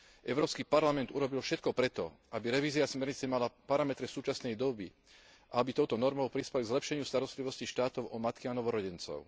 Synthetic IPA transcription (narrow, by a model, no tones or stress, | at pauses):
ʔɛʊɾɔːpskipaɾlamɛnt̪uɾɔbilfʃɛt̪kɔpɾɛt̪ɔ̰ʔabiɾɛʋiːzɪasmɛɾɲit͡sɛmalapaɾamɛt̪ɾɛsuːt͡ʃasnɛjd̪ɔbi | ʔaabit̪ɔʊt̪ɔnɔɾmɔʊpɾispɛlɡzlɛpʃɛɲɪust̪aɾɔst̪liʋɔsciʃt̪aːt̪ɔʊɔmat̪kianɔʋɔɾɔɟɛnt͡sɔ̰ʊ